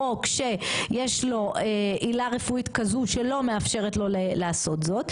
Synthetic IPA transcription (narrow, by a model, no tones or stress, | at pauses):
okʃe̞jeʃlo̞ʔeʔilaʁe̞fuit̪kazuʃe̞lo̞meafʃe̞ʁetlo̞leleaso̞t̪zo̞t̪